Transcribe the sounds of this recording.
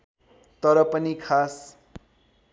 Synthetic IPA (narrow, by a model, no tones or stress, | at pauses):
t̪ʌɾʌpʌnikʰas